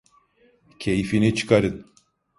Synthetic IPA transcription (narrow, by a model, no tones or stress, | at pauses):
cʰejfinit͡ʃʰɯ̥kaɾɯn